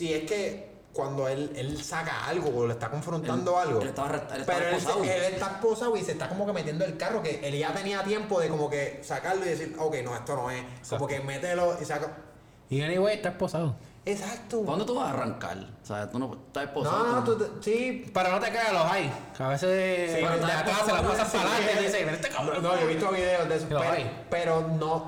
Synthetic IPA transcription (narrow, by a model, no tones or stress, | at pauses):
sieske̞ | kwand̪o̞ele̞lsaka̰a̰lɡoːloest̪ako̞ɱfɾont̪and̪oalɡolet̪aaret̪ltpeaɾoesaelest̪aeposawise̞ht̪ako̞moke̞me̞t̪jend̪oe̞lkaro̞ke̞ʔelʝat̪e̞niat̪je̞mpo̞ðe̞ko̞mo̞ke̞sakaɾloiðe̞s̬iɾokejnoe̞st̪o̞no̞ekomokemet̪elo̞isaka | ieniβweeht̪aeposaðo | esak̚t̪owand̪ot̪uβahara̰ŋka̰lsa̰et̪unot̪aepononot̪ut̪sipaɾanot̪ekaɣaloɦajkaβeseðesid̪eak̪aselamasafinaed̪isekeneet̪ekamɾonojoβist̪ooβiðeod̪esolpeɾaj | pe̞ɾono